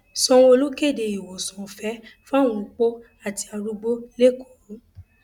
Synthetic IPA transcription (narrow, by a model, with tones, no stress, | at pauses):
sɔ̃˧˦o˧lu˦ke˦˨de˧i˨wo˨sɔ̃˨fɛ˨˦fã˦˨ũ˧u˧k͡po˦ | a˦˨ti˧a˧ɾu˧ɡ͡bo˦le˦ko˨ɾu˨˦